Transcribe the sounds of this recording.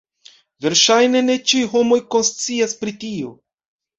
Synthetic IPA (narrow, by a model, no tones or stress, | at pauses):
ve̞ɾʃajne̞ne̞t͡ʃiwɦo̞mo̞jko̞nst͡siaspɾitio̞̰